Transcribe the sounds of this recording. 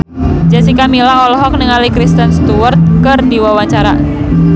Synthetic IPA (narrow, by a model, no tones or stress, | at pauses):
d͡ʒasikamilaɔlɔɦɔk̚nəŋalikɾist̪ənst̪uwərt̪̚kərdiwawaɲt͡ʃaɾa̰